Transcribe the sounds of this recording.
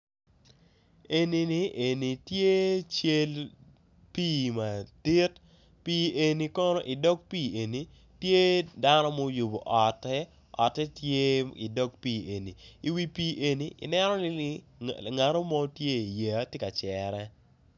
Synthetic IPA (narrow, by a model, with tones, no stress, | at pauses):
e˨ni˨ni˨ʔe˨ni˨tje˦t͡ʃe˦l | piː˦˨ma˨ti˦t | piː˦e˨ni˨kɔ˦no˦ʔi˨dɔ˦k̚piː˦˨e˨ni˨ | tje˦da˦nɔ˦mɔ˦ju˨bo˨ʔɔ˨tːɛ˦ | ɔ̰˨tːɛ˦tje˦i˨dɔ˦kpiː˦˨e˨ni˨i˨wi˦piː˦ʔe˨ni˨ʔḭ˨nɛ˦nɔ˦ni˦i˦ | ŋa˨ɾo˦mɔ˦tje˦˨je˨˦te˦ka˨t͡ʃɛ˨ɾɛ˦